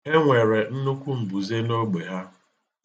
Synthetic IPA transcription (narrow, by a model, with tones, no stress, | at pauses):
e˦ŋʷe˨ɾe˨n̩˦nʊ˦kʷu˦m̩˨bu˨ze˦no˦ɡ͡be˨ɦa˦